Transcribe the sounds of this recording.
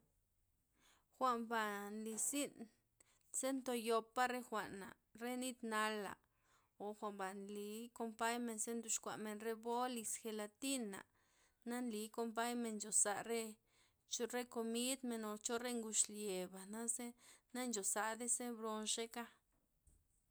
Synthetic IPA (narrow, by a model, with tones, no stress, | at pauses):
xʷa˧mba˨nli˧si˦n | se˦nt̪o˧jo˧pːa˦ɾe˦xʷa˨ʔna̰˨ | ɾe˦ni˦d̪na˧la̰˨ | o˨xʷa˨mba˨nli˨˦ko˧mpa˦jme˧nse˦nd̪u˧ʃkʷa̰˨ʔme˨nɾe˦bo˦li˧sxe˧la˧t̪i˦na̰˨ | na˦nli˨˦ko˧mp̬a˦jme˧nt͡ʃo˨sa˨ɾe˦ | t͡ʃo˦ɾe˦ko˧mi˦d̪me˧no˨t͡ʃo˦ɾe˦ŋɡu˧ʃlje˨ba˨na˦se˦na˦nd͡ʒo˨sa˧d̪e˦se˦bɾo˧nʃe˦ka˦